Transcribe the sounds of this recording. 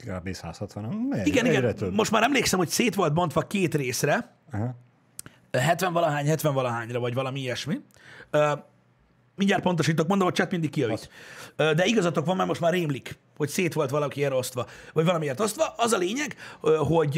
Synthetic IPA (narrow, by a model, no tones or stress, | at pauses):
ka̰bḛsa̰ːshɒt̪ʋɒnomeiɡɛniɡɛnɛmo̞ʃt̪maːɾɛmleːksɛmho̞cseːt̪ʋo̞lt̪̚bo̞nt̪ʋɒkeːt̪reːsrɛ | ɦ | ɦɛt̪vɛɱvɒlɒɦaːɲhɛt̪ʋɛɱvɒlɒɦaːɲrɒvɒɟvɒlɒmiiɛʃmi | øː | miɲɟaːr̚po̞nt̪o̞ʃiːt̪okmond̪omhoct͡ʃɛt̪mind̪ikːijɒvit̪ød̪ɛiɡɒzɒt̪okʋɒmːɛɾmo̞ʃt̪maːɾeːmlik | ho̞cseːt̪ʋo̞lt̪ʋɒlɒkieːɾo̞st̪ʋɒvɒɟvɒlɒmieːrt̪o̞st̪ʋɒʔɒzɒleːɲɛɡɦo̞ɟ